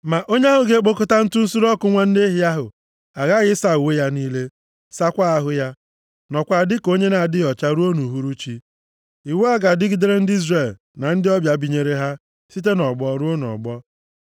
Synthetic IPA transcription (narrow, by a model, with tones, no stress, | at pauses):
ma˨ʔo˦ɲe˦a˦ɦʊ˦ɡe˦k͡po˦kʊ˦ta˦n̩˦tʊ˦n̩˦su˦ɾɔ˦kʊ˦ŋʷa˦n̩˦ne˦ɦɪ˦a˦ɦʊ˨ | a˨ɣa˦ɣɪ˦sa˨u˨we˦ja˦niː˦le˦ | sa˦kʷa˦a˦ɦʊ˦ja˦ | nɔ˨kʷa˨dɪ˦ko˦ɲe˦na˨dɪ˦ɔ˨t͡ʃa˦ɾu˦o˦nu˨ɦu˨˦ɾu˦t͡ʃi˦ | i˨we˦a˦ɡa˨dɪ˦ɡɪ˦de˦ɾe˦n̩˦dɪ˦i˦zre˨l | na˨n̩˦dɪ˦ɔ˦bja˨bi˨ɲe˨ɾe˦ɦa˦ | si˦t̬e˦nɔ˨ɡ͡bɔ˨˦ɾu˦o˦n˨ɔ̰˨ɡ͡bɔ˦